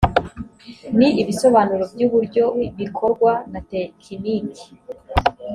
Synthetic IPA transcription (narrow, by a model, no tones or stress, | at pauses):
niiβiso̞βaːnuɾo̞bɟuːβuɾɟo̞βikʰo̞ɾɡwanatekʰiniki̥